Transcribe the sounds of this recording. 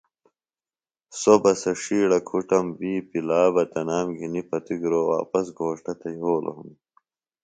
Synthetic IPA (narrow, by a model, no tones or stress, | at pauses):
sobɐsɐʂiːɽɐkʰuʈɐmbiːpilaːbɐt̪ɐnaːmɡʱinipɐt̪iɡɾowa̰ːpɐsɡʱoːʂʈɐt̪ɐjɦoːlʔo̰ɦum